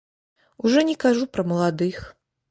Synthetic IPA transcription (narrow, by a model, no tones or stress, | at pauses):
uʐɔnʲɛkaʐupɾɐmɐlˠad̪ɨx